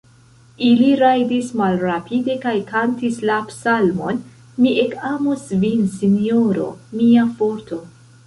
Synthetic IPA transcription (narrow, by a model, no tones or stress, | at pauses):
iliɾajdismalɾapʰide̞kajkantislapsalmo̞n | miʔe̞kamosvinsinio̞ɾo̞̰miafo̞ɾto̞